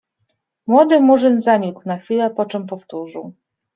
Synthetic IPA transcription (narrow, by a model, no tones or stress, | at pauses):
mwɔd̪ɘmuʐɘnzamʲikunaxfʲilɛpɔt͡ʂɛmpɔft̪uʐɘw